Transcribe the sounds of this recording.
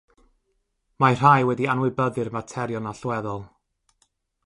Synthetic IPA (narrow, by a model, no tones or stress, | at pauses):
mar̥ajwɛdianwɪbəðɨrmatʰɛɾjɔnaɬwɛðɔlˠ